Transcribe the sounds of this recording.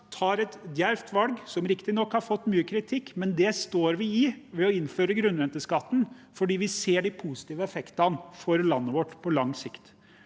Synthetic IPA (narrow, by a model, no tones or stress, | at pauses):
t̪ʰɑːɾɛt̪d̪jæɾft̪ʰʋɑlɡsɔmɾɪkt̪ɪnɔkːhɑɾfɔt̪ːmyːəkʰɾɪt̪ʰɪkːmɛnd̪ɛst̪oːɾʋɪɪʋɛɔɪnføːɾəɡɾʉnɾɛnt̪əskɑt̪ːn̩ | fɔɖiːʋɪseːɖɪpʰusɪ̥t̪iːʋəɛfɛkt̪ɑnfɔɾlɑnːəʋɔʈːpʰɔlɑŋsɪkt̪